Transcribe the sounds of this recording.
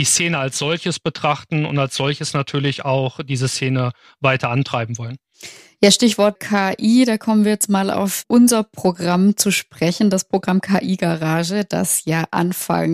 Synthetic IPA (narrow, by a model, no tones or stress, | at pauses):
d̥iːst͡seːnəalsz̥ɔlçəsb̥ətʁ̥aχtn̩ʊ̰ntalsz̥ɔlçəsnatʰyːɐlɪçaʊxd̥iːzəseːnə | vaɪtʰɐantʁ̥aɪbm̩vɔlən | jaːʃtɪçv̥ɔɐt̚kʰaːʔiːdaːkʰɔmənviːɐjɛt͡stmaːlʔa̰ʊfʔʊnzɐpʁ̥oɡʁamt͡suʃpʁ̥ɛçn̩daspʁ̥oɡʁamkʰaːʔiːɡaʁaːʒəd̥a̰sjaːʔa̰nfa̰ŋ